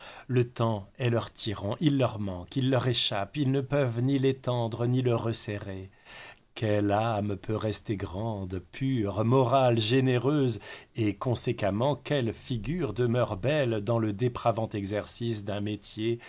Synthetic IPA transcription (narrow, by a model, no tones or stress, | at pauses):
lət̪ɑ̃ɛlœʁt̪ʰiʁɑ̃ʔilːœʁmɑ̃kilːœʁeʃapilnəpœvnilet̪ɑ̃d̪ʁəniləʁəseʁe | kʲɛlampʰøʁɛst̪eɡʁɑ̃d̪pʰyʁmɔʁalʒeneʁøzekɔ̃sekamɑ̃kʲɛlfiɡʲyʁd̪əmœʁbɛld̪ɑ̃ləd̪epχavɑ̃t̪ɛɡzɛʁsisd̪ɛ̃met̪je